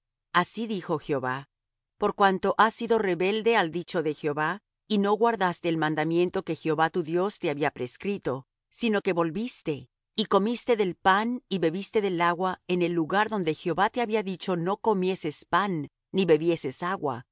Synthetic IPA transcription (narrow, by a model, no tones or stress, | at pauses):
asiðixo̞xjo̞βa | po̞ɾkwant̪o̞ʔasːiðo̞re̞βe̞ld̪e̞ald̪it͡ʃo̞ðe̞xjo̞βa | ino̞ɣwaɾðast̪e̞ːlmãnd̪amje̞nt̪o̞ke̞xjo̞βat̪uðjo̞st̪e̞aβiapɾe̞skɾit̪o̞ | sino̞ke̞βo̞lβist̪e̞ | ikomist̪e̞ðe̞lpaniβe̞βist̪e̞ðe̞laɣwaene̞lːuɣaɾðo̞nd̪e̞xjo̞βat̪e̞aβiaðit͡ʃo̞no̞ko̞mje̞se̞spanː | iβe̞βje̞se̞saɣwa̰